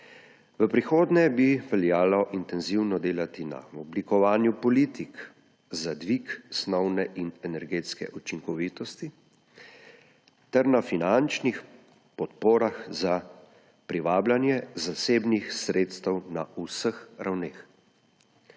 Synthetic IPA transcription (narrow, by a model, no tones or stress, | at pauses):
ʋəpɾixoːd̪nɛbiʋɛljaːlɔʔint̪ɛnziwnɔd̪eːlat̪ina̰ɔblikɔʋaːnjupɔliːt̪ik | zad̪ʋiksnɔwnɛʔinɛnɛɾɡeːt̪skɛ̰ʔut͡ʃiŋkɔʋiːt̪ɔst̪i | t̪ɛɾnafinant͡ʃnix | pɔt̪poːɾaxza | pɾiʋaːblanjɛzaseːbnixsɾeːt̪st̪ɛwnausəxɾʔawneːx